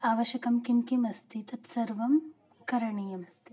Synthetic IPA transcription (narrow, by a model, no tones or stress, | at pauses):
aːʋɐʃjɐkɐmkimkimɐst̪it̪ɐt̪sɐɾʋɐm | kɐɾɐɳijɐmɐst̪ʰi